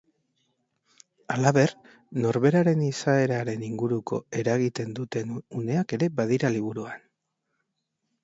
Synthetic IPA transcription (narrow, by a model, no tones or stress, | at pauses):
alaβe̞r | no̞ɾβe̞ɾaɾe̞nisae̞ɾaɾe̞niŋɡuɾuko̞̰e̞ɾaɣ̞it̪e̞nd̪ut̪e̞nune̞ake̞ɾe̞baðiɾaliβ̞uɾuan